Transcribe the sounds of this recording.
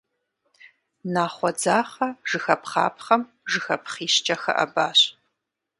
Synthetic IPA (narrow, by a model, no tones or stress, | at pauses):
naːχʷɔd͡zaːχɐʒɨxɐpχɑ̰ːpχɐm | ʒɨxɐpχiːʃt͡ʃʼɐxɐ̰ʔɐ̰baːɕ